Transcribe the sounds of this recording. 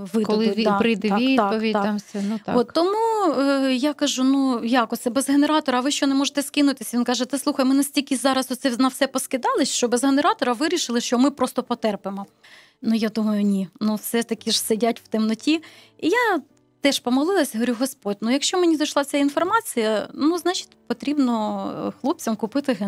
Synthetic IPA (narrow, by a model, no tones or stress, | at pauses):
ʋɪdk̪lˠɪʊd̪ɑɪd̪ɛiiɑpɔʋʲit̪ɑamsʲɛnut̪ɔt̪ːɔmu | jakɐʒunujɑkɔt̪sɛbezɦeneɾɑt̪ɔɾɐɐʋɪʃt͡ʃɔnemɔʒet̪ɛskɪnʊt̪ɪsʲʋinkɑʒɛt̪ɛslˠuxɐjmɪnɐsʲtʲilʲkʲɪzɑɾɐsɔt̪sɛnɐwsɛpɔskɪd̪ɑlˠɪʃʃt͡ʃɔbezɦeneɾɑt̪ɔɾɐʋɪɾʲiʃɪlˠɪʃt͡ʃɔmɪpɾɔst̪ɔpɔt̪ɛrpemɔ | nujad̪umɐjʊnʲinuwsɛt̪ɐkʲɪʒ̥sɪdʲatʲw̥t̪ɪmnɔtʲi | ija | t̪ɛʃpɔmɔlˠɪlˠɐsʲɦɔʋɾʲuɦɔspɔdʲnujɐkʃt͡ʃɔmenʲid̪ɐʃlˠɑt͡sʲainfɔrmɑt͡sʲijɐnuznɑt͡ʃi̥tʲpɔt̪ɾʲibnɔxlˠup̚t͡sʲɐmkʊpɪt̪ɪɦ